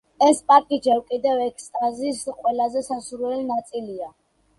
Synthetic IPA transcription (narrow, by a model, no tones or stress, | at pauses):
ɛspʼakʼid͡ʒɛvkʼid̪ɛvɛkʰst̪ʼazisqʼwɛlazɛsasuɾwɛlinat̪sʼilia